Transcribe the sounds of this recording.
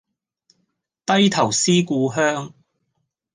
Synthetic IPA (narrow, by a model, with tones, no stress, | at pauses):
t̪ɐ˥jt̪ʰɐ˨˩wsiː˥kuː˧ɦœː˥ŋ